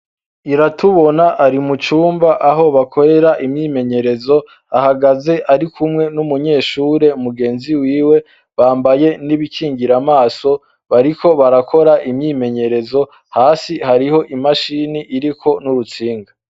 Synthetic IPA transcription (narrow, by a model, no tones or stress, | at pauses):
iɾatʰuβo̞naʔaɾimut͡ʃuːmbaʔaɦo̞βakʰo̞ɾe̞ɾaʔimɲiːme̞ɲe̞ɾe̞zo̞ | ahaɡaze̞ʔaɾikʰumŋe̞numuɲe̞ːʃuːɾe̞umuɡe̞ːnziwiːwe̞ | βaːmbaje̞niβikʰiːŋɡiɾamaːso̞ | βaɾikʰo̞βaɾakʰo̞ɾaʔimɲiːme̞ɲe̞ɾe̞zo̞ | haːsihaɾiho̞ʔimaʃiniʔiɾikʰo̞nuɾut͡siːŋɡa